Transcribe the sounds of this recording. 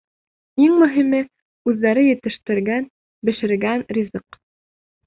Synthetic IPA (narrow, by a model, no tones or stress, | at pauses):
iŋmɵ̆ɦimɘ | ʉðːæɾɘjɘ̆t̪ɘ̆ʃt̪ɘ̆ɾɡæn | bɘ̆ʃɘ̆ɾɡænrʲizɤq